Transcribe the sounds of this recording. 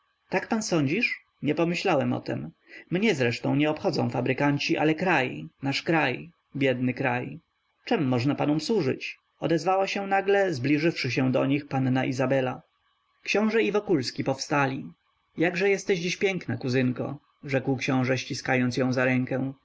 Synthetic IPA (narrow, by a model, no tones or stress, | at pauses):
t̪akpansɔɲd͡ʑiʂ | ɲɛpɔmɘɕlawɛmɔ̰t̪ɛ̰m | mɲɛzɾɛʂt̪ɔ̰̃w̃ɲɛɔpxɔd̪zɔ̃w̃fabɾɘkaɲt͡ɕiʔa̰lɛkɾajnaʂkɾaj | bʲjɛd̪nɘkɾaj | t͡ʂɛmːɔʐnapanumswuʐɘ̰t͡ɕ | ɔd̪ɛzvawaɕɛ̃naɡlɛzblʲiʐɘfʂɘɕ̬ɛ̃d̪ɔɲixpanːaʔizabɛla | kɕɔ̃w̃ʐɛivɔkulskʲipɔfst̪alʲi | jaɡʐɛjɛst̪ɛʑd͡ʑiɕpʲjɛŋknakuzɘŋkɔ̰ | ʐɛkwkɕɔ̃w̃ʐɛɕt͡ɕiskajɔnt̪sjɔ̃w̃zaɾɛŋkɛw̃